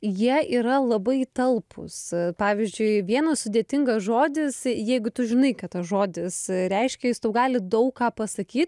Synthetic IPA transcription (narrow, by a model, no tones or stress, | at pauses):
jiɛʔiːɾɐlˠɐbɐɪt̪ɐlˠpʰʊ̰spɑːʋʲɪzʲd͡ʒʲʊɪʋʲiɛnɐssʊd̪ʲeːt̪ʲɪŋɡɐsʒoːd̪ʲɪsjɛɪɡʊt̪ʊʒʲɪnɐɪkɐtt̪ɐsʒoːd̪ʲɪsɾʲɛɪʃʲkʲɛjɪst̪ɐʊɡɑːlʲɪd̪ɐʊkkɑːpɐsɐkʲiːt̪̚